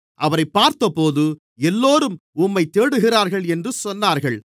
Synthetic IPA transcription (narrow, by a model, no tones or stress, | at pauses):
ʔɐʋɐɾɐɪpːaːɾt̪ɐpoːðɯ | ɛlːoːɾɯmʊmːɐɪt̪ːeːɽɯɣɪraːɾɣɐɭɛndrɯsɔnːaːɾɣɐɭ